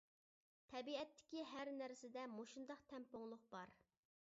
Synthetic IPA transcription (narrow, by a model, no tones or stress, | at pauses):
t̪ʰɛbiɛt̪ʰːɪ̥kʲiɦæɾnæɾsɪd̪ɛmoʃund̪ɑqt̪ʰɛmpoŋlˠʊq̚bɑɾ